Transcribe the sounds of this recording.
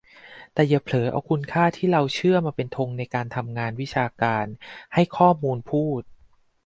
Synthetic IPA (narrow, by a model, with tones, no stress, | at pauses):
t̪ɛː˨˩ja˨˩pʰlɤː˩˦ʔa̰˧wkʰu˧nkʰaː˥˩t̪ʰiː˥˩ɾa˧wt͡ɕʰɯ˥˩ɐmaː˧pe˧nt̪ʰo˧ŋna˧jkaː˧nt̪ʰa˧mŋaː˧nwi˦˥t͡ɕʰaː˧kaː˧nha˥˩jkʰɔː˥˩muː˧npʰuː˥˩t̪̚